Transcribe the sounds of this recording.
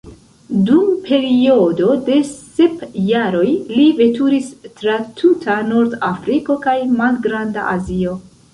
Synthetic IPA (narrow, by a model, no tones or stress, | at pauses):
dumpʰe̞ɾio̞do̞de̞se̞pjaɾo̞jlive̞tuɾistɾatʰutʰanoɾdafɾiko̞kajmalɡɾanda̰ʔazio̞